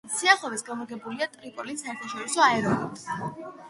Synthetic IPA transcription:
siaχɔvɛsɡamɔɾɡɛbuliat̪ʼɾipʼɔlisaɛɾt̪ʰaʃɔɾisɔaɛɾɔnɛpz

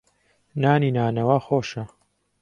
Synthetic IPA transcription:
naːniːnaːnɐwaːxoːʃɐ

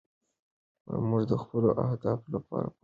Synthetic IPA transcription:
muʐd̪əxpəloʔahd̪ɑflapɑ̰ɾa

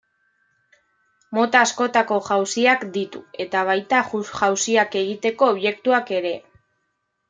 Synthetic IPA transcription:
mo̞t̪aːsko̞t̪ako̞ʝawsiakd̪it̪ue̞t̪aβ̞ajt̪auɣawsiake̞ɣ̞it̪e̞ko̞ːβʝe̞kt̪uake̞ɾe̞

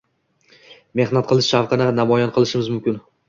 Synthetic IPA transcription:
me̞hnat̪̚qʰɨlˠɪʃʃafqɨnɪnamɒjɒnqʰɨlˠɪʃɪmɪzmʊmkʲɪn

